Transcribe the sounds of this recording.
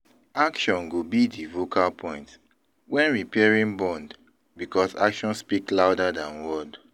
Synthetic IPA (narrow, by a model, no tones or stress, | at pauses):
akʃɔ̃nɡobidivokʰalpʰɔ̃ɪ̃nt | wɛ̃nɹipɛɹĩnbɔ̃nd | bikɔsa̰kʃɔ̃nspiklawdadãnwɔd